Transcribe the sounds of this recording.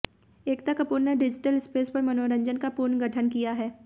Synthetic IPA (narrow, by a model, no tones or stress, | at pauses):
eːkt̪ɐkːəpuɾneɖɪd͡ʒɪʈəlɪspeːspɐɾmɐnoːɾə̃ɲd͡ʒənkapuɾnɡɐʈʰənkijaɦɛː